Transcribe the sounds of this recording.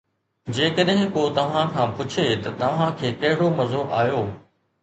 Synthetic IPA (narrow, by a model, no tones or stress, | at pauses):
d͡ʑeːkəɗɦɪ̃kot̪ɐʋ̤ãkʰãːpʊt͡ɕʰet̪ɐt̪ɐʋ̤ãkʰeːkɐɦɪɽomɐzoʔaːjoː